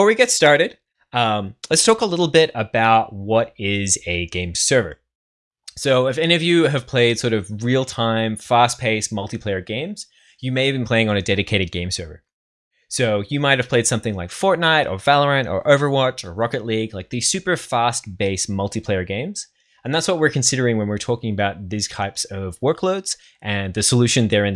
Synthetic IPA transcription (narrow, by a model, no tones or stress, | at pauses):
ə˞wiɡɛtstɑɹɾɨd̥ | ʌ̃mlɨtstʰɔkəlɪɾl̩ˠbɪɾəbaʊt̚wʌɾɪzɨɡẽɪ̃msɜ˞və̰˞ | soʊɨfɛniʌvjɨɨv̥pʰl̥eɪd̥sɔɹɾʌvɹilˠtʰãɪ̃ɱfæstpʰeɪsmʌlˠtipʰl̥eɪə˞ɡẽɪ̃mz̥ | jɨmeɪɨvbɨ̃n̩pʰl̥eɪɪ̃ŋə̃nɨdɛɾɨkʰeɪɾɨd̚ɡẽɪ̃msɜ˞və̰˞ | soʊjɨmaɪt̚hɨv̥pʰl̥eɪd̥sʌ̃mθɪ̃ŋlaɪkfɔɹtⁿnaɪɾə̰˞vælˠə˞ɨ̃ñtə̰˞ʔoʊvə˞wɑt͡ʃə˞ɹɑkɨtˡliɡlaɪk̚ðiz̥sʉpə˞fæst̚b̥eɪsmʌlˠtipʰl̥eɪə˞ɡẽɪ̃mz̥ | ɨ̃nðætswʌt̚wɨɹkʰɨ̃n̩sɪɾə˞ɪ̃ŋwə̃nwɨɹtʰɔkɪ̃ŋɨbaʊt̪̚ðiz̥tʰaɪpsʌvwɜ˞kʰloʊdz̥ | ʔɨ̃nðɨsəlʉʃɨ̃nðə˞ɨ̃n